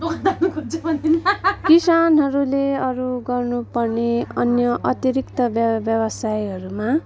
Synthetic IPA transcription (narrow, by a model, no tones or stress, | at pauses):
kd̪anukot͡sʌbʌnt̪inkisanɦʌɾuleʌɾuɡʌrnupʌrneʌnjʌʔʌt̪iɾikt̪ʌbbjʌbʌsajɦʌɾuma